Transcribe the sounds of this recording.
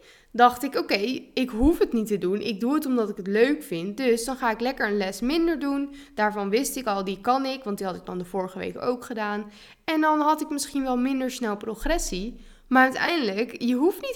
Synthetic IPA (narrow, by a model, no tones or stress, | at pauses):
dɑχtɪkokejɪkɦufɦətnitədunʔɪ̰ɡ̚duətɔmdɑtɪkətløɥkfɪntdɵsdɑnχaːɪklɛkəɹənlɛsmɪndəɹdund̥aːɹvɑnʋɪstɪkɑlˠdikɑnɪkʋɑntdiɦɑtək̚dɑndəv̥ʊːɹəχəʋḛjko̰wkχədaːn | ɛndɑnɦɑtɪkmɪsχinʋɛlˠmɪndəɹsnɛlˠproχrɛsi | maːɹœɥtɛ̰jndələkjəɦuftnit